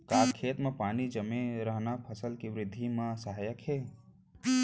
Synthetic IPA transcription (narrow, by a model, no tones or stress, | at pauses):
kakkʰet̪mepanid͡ʒəmeɾəɦnapʰəsəlkeʋɾɪd̪ʱːimesəɦajəkʰe